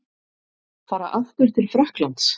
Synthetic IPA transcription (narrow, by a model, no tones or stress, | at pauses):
faːɾa̰ʔaft̪ʏɾ̥t̪ʰɪlfɾɛhklant̪s